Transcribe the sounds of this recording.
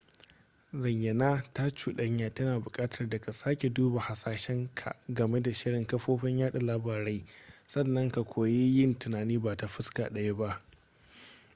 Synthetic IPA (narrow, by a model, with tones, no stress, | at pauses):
zɐ˨jjɐ˨naː˦ta˦t͡ʃuː˨ɗɐ˦ɲjaː˨tɐ˦naː˨bʊ˨kʼaː˦tʰɐ˨rda˨ka˨saː˦kʲe˨duː˦ba˨ha˨saː˨ʃɛ˦ŋkʰa̰˨ʔɡɐ˨me˦da˨ʃɪ˦ɽɪ˨ŋkɐ˦ɸoː˦ɸɛ˦ɲjaː˦ɗa˨laː˦baː˨ɾa˦jsɐ˦˨nːɐ˦ŋka˨kʷʰoː˨ji˦jɪ˦ntʊ˨naː˨niː˦baː˨ta˨ɸɪ˦ska̰˨ɗɐ˦ja˦ba˦ʔ